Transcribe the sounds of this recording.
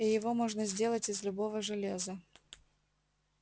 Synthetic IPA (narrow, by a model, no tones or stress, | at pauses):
ijɪvomoʐnəzʲdʲe̞lˠətʲɪzlʲʊbovəʐɨlʲezə